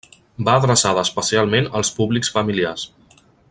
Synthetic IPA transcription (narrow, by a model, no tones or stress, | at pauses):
baːðɾəsaðəːspəsialˠmenəlˠspuβliksfəmilias